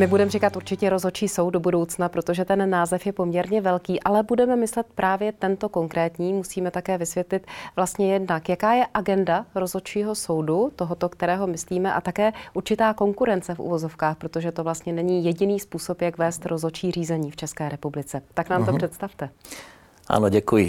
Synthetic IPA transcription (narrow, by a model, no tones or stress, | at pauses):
mɪbudɛmrikat̪ʔuɾt͡ʃɪcɛɾo̞zo̞t͡ʃiːso̞wt̪dobudo̞wt͡snapɾot̪o̞ʒɛt̪ɛnːaːzɛfjɛpomɲɛɾɲɛvɛlkiːʔalɛbudɛmɛmɪslɛt̪̚pɾʔaːvjɛt̪ɛnt̪o̞ko̞ŋkɾɛːt̪ɲiːmusiːmɛt̪akɛːvɪsvjɛt̪lɪt̪vlast̪ɲɛjɛdnakjakaːjɛʔaɡɛndaɾozo̞t͡ʃiːɦo̞so̞wdut̪oɦot̪o̞kt̪ɛɾɛːɦo̞mɪsliːmɛʔa̰t̪akɛːʔuɾt͡ʃɪt̪aːko̞ŋkuɾɛnt͡sɛfʔṵvo̞zo̞fkaːxpɾot̪o̞ʒɛt̪o̞vlast̪ɲɛnɛɲiːjɛɟɪniːspuːso̞pjakvɛːst̪ɾʔozo̞t͡ʃiːr̝iːzɛɲiːft͡ʃɛskɛːɾɛpublɪt͡sɛt̪aknaːmt̪or̥ɛt̪st̪aft̪ɛ | ʔa̰noɟɛkujɪ